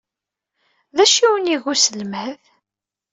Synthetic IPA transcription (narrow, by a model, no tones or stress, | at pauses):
ðæʃiwəniʝusəlməð